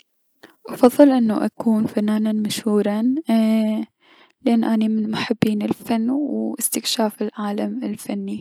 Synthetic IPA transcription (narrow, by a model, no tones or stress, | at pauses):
ʔɑfɑðˤːɨlʔɪnːaʔakuːnfanːaːnanmaʃhuːɾˤɑ | lɪʔanːʔanimɪnmʊħabːiːnɪlfanːwʔɪst̪ɪkʃaːfɪlʕaːlamɪlfanːi